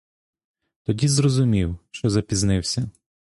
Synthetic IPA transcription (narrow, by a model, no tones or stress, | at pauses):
t̪ɔdʲizrɔzʊmʲiwʃt͡ʃɔzɐpʲiznɪwsʲɐ